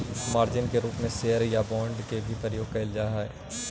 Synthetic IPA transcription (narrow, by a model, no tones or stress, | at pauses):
maːɾd͡ʒɪnkeɾuːpmẽseəɾjabɔ̃ːɳɖkebʱipəɾəjoːɡ̚kɐɪld͡ʒaːɦaɛ̰ː